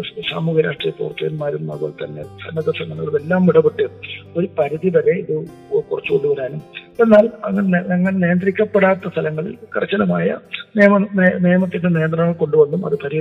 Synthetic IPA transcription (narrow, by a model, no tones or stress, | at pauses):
sa̰ːmuːɡiɾa̰ːʂʈrijɐpo̰ːrt̪ːɐjɐnmaːɾunma̰ːɣo̰ːɭt̪ɐnːe̞̰sɐ̰nːɐðɐʂɐŋːɐnɐɭume̞lːaːmːiɽɐbeʈːɨo̞ɾupɐɾiðiʋɐɣeiðɨ | kurɐt͡ɕːukolːuʋɐɾaːnume̞nːaːlɐŋːɐnɐŋːɐɭneːɐnd̪rikʲːɐpːeɽaːt̪ːɐst̪ʰɐlɐŋːɐɭḭlkirɐt͡ɕːɐlɐmaːjɐ̰neːmneːmɐt̪ːindene̞ːnd̪rɐŋːɐɭko̞ɳɖuʋɐnːumɐ̰ðɨpʰɐɾi